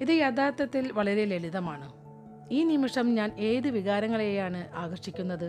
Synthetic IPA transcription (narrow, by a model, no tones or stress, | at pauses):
iðɨjɐd̪aːt̪ːɐt̪ːilʋɐɭɐɾe̞leliðɐmaːɳɨ | iːnimiʂɐmɲaːne̞ːðɨʋiɣaːɾɐŋːɐɭe̞jaːɳɨʔaːɣɐrʂikʲːunːɐðɨ